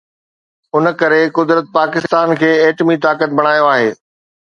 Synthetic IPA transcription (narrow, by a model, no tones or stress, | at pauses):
ʊn̆kɐɾekʊd̪ɾət̪̚paːkɪst̪aːnkʰeːeːʈmit̪aːkət̪̚bɐɽ̃aːjoaːɦeː